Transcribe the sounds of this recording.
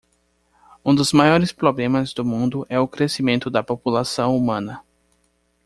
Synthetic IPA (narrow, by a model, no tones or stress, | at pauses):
ũd̪ʊzmajɔɾɪspɾoblẽmɐzd̪ʊmũnd̪ʊʔɛʊkɾesimẽnt̪ʊd̪ɐpopulasɐ̃w̃umɐ̃nɐ